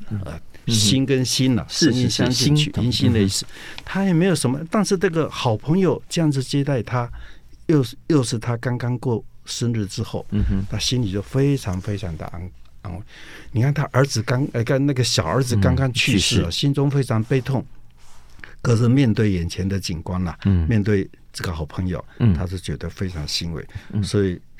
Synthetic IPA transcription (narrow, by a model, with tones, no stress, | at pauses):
ə̰˧˩ | ɕi˥nkə˦nɕi˥nɐ̰˨ʂ̩˥˧i˥˧nɕjɑ˥ŋʂi˥˧y̰˥˧i˧˥nɕi˥nlə˨i˥˧˩sɹ̩˥˩t̪ʰa˥jɛ˨˩me˧˥ɪjo˨˩ʊʂə˧˥mə˧t̪a˥˧nʂɻ̩˥˧na˥˩ɡə˨˩xɑ˨˩ʊpʰɤ˧˥ŋjo˨ʊʈ͡ʂɤ˥˧jɑ˥˩ŋd͡zɹ̩˧t͡ɕjɛ˥t̪a˥˩ɪt̪ʰa˥ | jo˥˧ʊjo˥˧ʊʂɻ̩˥˩t̪ʰa˥kɑ˥ŋkɑ˥ŋkwɔ˥˩ʂə˥nɻ̩˥˩ʈ͡ʂɻ̩˥xo˥˩ʊna˥˩ɕi˥nli˨˩t͡ɕjo˥˩ʊfe˥ɪʈ͡ʂʰɑ˧˥ŋfe˥ɪɑ˧˥ŋd̪ə̰˧a̰˧˥ŋa̰˥ŋwe˥˩ɪni˨˩kʰa˥˩nt̪ʰa˥ʔə˞˧˥d͡zɹ̩˨˩ka˥ŋ˧˩kə˥˧nna˥˩ɡə˩ɕjɑ˨˩ʊə˞˧˥d͡zɹ̩˨kɑ˥ŋkɑ˥ŋt͡ɕʰy˥˧ʂɻ̩˥˩ə˨˩ɕi˥nt͡sʊ˥ŋfe˥ɪʈ͡ʂʰɑ˧˥ŋpe˥˧ɪt̪ʰʊ˥˩ŋ | kɤ˧˥ʂ̩˥˧mjɛ˥˧nt̪we˥˩ɪjɛ˨˩nt͡ɕʰjɛ˧˥nd̪ə˨t͡ɕi˨˩nkwa˥nlɐ̰˨mjɛ˥˧nt̪we˥˩ɪ | ʈ͡ʂɤ˥˩ɡə˩xɑ˨˩ʊpʰɤ˧˥ŋjo̰˨˩ʊt̪ʰa˥ʂ̬o˥˩t͡ɕɥɛ̰˧˨˩d̪ə˦fe˥ɪʈ͡ʂʰɑ˧˥ŋɕi˥nwḛ˧˩ɪswɔ˧˥i˨˩